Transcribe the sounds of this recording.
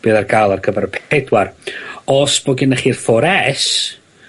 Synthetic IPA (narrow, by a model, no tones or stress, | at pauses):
b̥iðarɡʰajlˠarkʰəvɛɾəpʰɛdwarɔsb̥ɔɡɪnəχiːrfɔɾɛs